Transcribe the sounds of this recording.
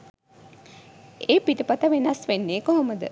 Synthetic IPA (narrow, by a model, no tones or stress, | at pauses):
eːpiʈipat̪aʋenɐsʋenːeːkoɦoməd̪ə̰